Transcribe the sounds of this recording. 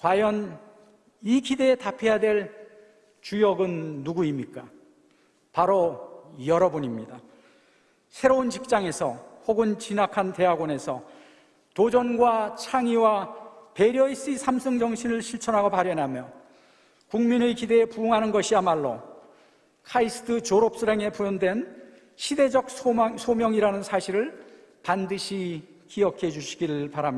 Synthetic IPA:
kwajʌn | ikide̞ːtapʰe̞jadwe̞ɭ | t͡ɕujʌɡɯnːuɡuimɲik͈a | paɾojʌɾʌbuɲimɲida | sʰe̞ɾount͡ɕik̚t͡ɕ͈aŋe̞sʰʌɸoɡɯnt͡ɕinakʰante̞ɦaɡwone̞sʰʌ | t̪od͡ʑʌnɡwat͡ɕʰaŋiwape̞ɾjʌis͈isʰamsʰɯŋd͡ʑʌŋɕʰinɯɭɕʰiɭt͡ɕʰʌnɦaɡopaɾjʌnamjʌ | kuŋminɯkide̞ːpuːŋɦanɯnɡʌɕʰiamaɭːo̰ | kʰais͈ʰɯ̥tʰɯt͡ɕoɾop̚s͈ɯɾeŋe̞pujʌndwe̞n | ɕʰide̞d͡ʑʌk̚sʰosʰomjʌŋiɾanɯnsʰaɕʰiɾɯɭ | pandɯɕʰi | kiʌkʰe̞d͡ʑuɕʰi̥ɡiɾɯɭpaɾamɲia

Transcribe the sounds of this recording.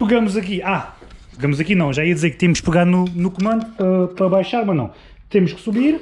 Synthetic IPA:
pɨɣɐmuzɐkia | pɨɣɐmuzɐkinɐ̃w̃ʒaiɐd̪izeɾk̚t̪emuʃkpɨɣaðununukumɐ̃nd̪uɐpɾɐβajʃaɾmɐnɐ̰̃w̃ | t̪emʊʃksuβiɾ

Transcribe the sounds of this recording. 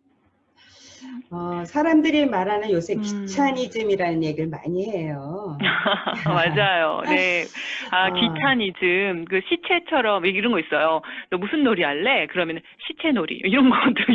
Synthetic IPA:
ʌsʰaɾamdɯɾimaɾanɯnjosʰe̞k͈ːit͡ɕʰaɲid͡ʑɯmiɾanɯnje̞ɡiɭma̰ɲiɦe̞jo | mad͡ʑajo̰ne̞akit͡ɕʰaɲid͡ʑɯmkɯɕʰit͡ɕʰe̞t͡ɕʰʌɾʌmeɡiɾʌnɡʌis͈ʌjotʌmusʰɯnːoɾiaɭːe̞kɯɾʌmjʌn | ɕʰit͡ɕʰe̞noɾḭʌiɾʌnɡʌt͈o

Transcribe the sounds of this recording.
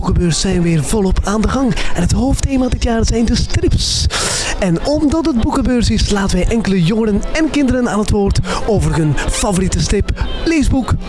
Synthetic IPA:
ukəbøːɹssɛjnʋɪːrvɔlˠɔpʰaːndəɣɑŋɛnɦətɦowftejmadɪtjaːrzɛjndəstrɪps | ɛnɔmdɑtət̚bukəbøːrsɪslaːtənʋɛjʔɛŋkələjɔŋədənɛnkɪndəɾənaːnətʋoːrtoːvərɦɵnfavoritəstɪplezbuk

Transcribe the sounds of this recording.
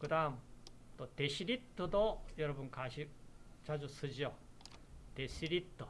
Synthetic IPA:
ɡ̥ɯd̪am | t̪od̪̥eɕiɾʲit̪ːod̪ojoɾobɯ̃ŋkʰaɕit͡ɕad͡ʑosɨd͡ʑio | d̪̥eɕiɾʲit̪ːo

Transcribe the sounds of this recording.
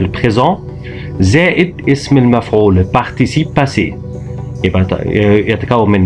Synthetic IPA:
ləpχezɑ̃ | zɛʔəd̪ɪsməlmæfʕuːləpaʁt̪isipːase | ebat̪jat̪kaumɪn

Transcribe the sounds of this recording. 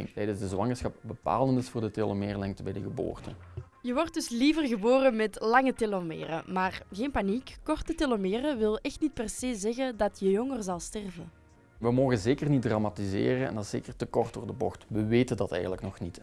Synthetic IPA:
ɪŋtɛjdənzdəzwɑŋərsxɑp̚bəpa̰ːlˠəntɪsfʊːrdətelomeːrlɛŋtəbɛjdəɣəbo̰ːrtə | jəʋɔrt̚dɵsliːvərɣəboːɾəmɛtlɑŋətelomḛːrə̰maːrɣeːnpanikːɔrtətelomeːrəʋɪlˠɛxtnit̚pɛrseːzɛɣədɑtʰjəjɔŋərzɑlˠstɛrvə | ʋəmoːɣənzeːkərnit̚dramatizḛːrənɛ̰nɑsz̥ḛːkərtəkɔrtdoːrdəbɔxtʋəʋeːtəndɑtɛ̰jɣənləknɔxnit

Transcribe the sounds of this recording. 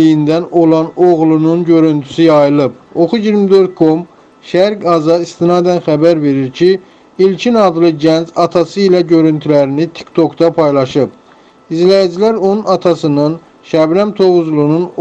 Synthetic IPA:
ijind̪ænolˠɑnoɣlˠununɟø̞ɾynt̪ʰy̥sijɑjɯlˠɯpoχuɟiɾmid̪ø̞ɾt̪̚kʰo̞m | ʃæɾɡɑzɑist̪inɑːd̪ænχæbæɾve̞ɾiɾcʰi | ilcʰinɑd̪lˠɯɟænd͡ʒɑt̪ʰɑsɯilæɟø̞ɾynt̪ʰylæɾinit̪ʰi̥kt̪ʰo̞kd̪ɑpʰɑjlˠɑʃɯb | izlæjid͡ʒilæɾonunɑt̪ʰɑsɯnɯn | ʃæbɾæmt̪ʰo̞ɣuzlˠunun

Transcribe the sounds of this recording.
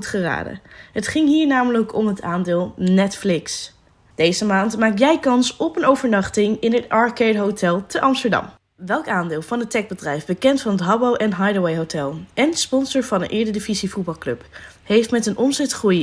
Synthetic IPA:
tχəra̰ːdə̰ɦətχɪŋɦiːɹnaːmələkʰɔmɦətʰaːndɪːlˠnɛtflɪks | d̥ejzəmaːntmaːk̚tjɛjkɑnsɔpənowvəɹnɑχtɪŋɪnɦətɑɹkɛdɦowtɛlˠtəʔɑmstəɹdɑ̰m | ʋɛlˠkaːndɪːlˠvɑnətɛɡ̚bədrɛjvbəkɛntfɑnɦətɦɑbowʔɛnɦɑjdəwejɦowtɛlˠɛnspɔnsəɹvɑnə̰nʔɪːɹdədivizivud̚bɑlˠklɵp | hejftmɛtənʔɔmzɛtχruj

